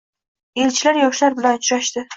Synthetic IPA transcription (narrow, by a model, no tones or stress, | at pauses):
elt͡ʃʰɪlaɾjɒʃlaɾbɪlanʊt͡ʃɾaʃt̪ɪ